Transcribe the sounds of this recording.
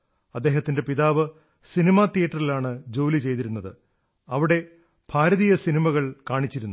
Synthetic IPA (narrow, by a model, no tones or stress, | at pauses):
ɐd̪ːe̞ːɦɐt̪ːinde̞piðaːʋɨ | sinimɐt̪ijɐʈːɐrilaːɳɨd͡ʑo̞ːlit͡ɕe̞jt̪iɾunːɐðɨ | ɐʋiɽe̞ | b̥ʱaːɾɐðijɐsinimɐɣɐɭkaːɳit͡ɕːiɾunːu